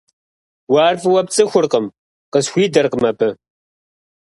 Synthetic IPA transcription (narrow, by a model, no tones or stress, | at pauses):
waːrfɨwɐp̚t͡sʼɨxʷʊrqəm | qəsxʷiːdɐrqəmɐpʰɨ